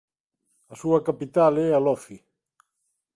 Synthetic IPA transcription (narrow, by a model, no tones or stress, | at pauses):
asuakapit̪alɛalɔfi